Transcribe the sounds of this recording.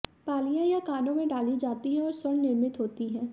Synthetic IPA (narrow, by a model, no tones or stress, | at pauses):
paːlijãjakaːnõmẽɖaːlid͡ʒaːt̪iɦɛ̃ɔːɾswɐɳnɪɾmɪt̪ɦoːt̪iɦɛ̃ː